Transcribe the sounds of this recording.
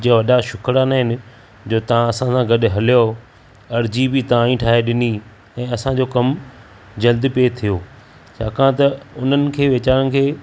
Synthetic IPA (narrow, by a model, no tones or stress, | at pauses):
d͡ʑiːaʋɐɗaʃʊkʰɾanaːɦɪnɪ̆ | d͡ʑoːt̪ɐʋãɐsãsãɡɐɗ̆ɦɐlijo | ɐɾd͡ʑibɪt̪ɐãːĩʈʰaːɦeɗɪni | ɛ̃ːɐsãd͡ʑoːkɐm | d͡ʑɐld̪pet̪ʰijoː | t͡ɕʰaːkʰãt̪ɐʊn̤ənɪ̆kʰeːʋeːt͡ɕaːɾə̃nɪkʰeː